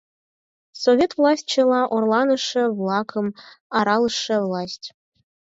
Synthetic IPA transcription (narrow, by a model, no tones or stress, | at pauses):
sovʲet̪vlˠɑsʲt̪̚ʲt͡ɕĕlˠɑʔorlˠɑnɤ̆ʂĕvlˠɑkʰɤ̆mɑɾɑlˠɤ̆ʂɤ̆vlˠɑsʲtʲ